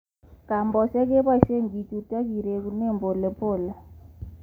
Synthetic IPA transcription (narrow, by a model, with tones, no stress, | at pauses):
ka˨mbɔ˨sa˦ke˦ba˦ʃe˦ŋɡi˨tu˨ta˦ki˨ɾe˨ku˨ne˦˨mbo˨le˨po˦˨la˨